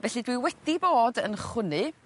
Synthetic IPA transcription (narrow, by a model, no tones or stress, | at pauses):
vɛɬɨdwiwɛd̥iboːdənχwʊnɨ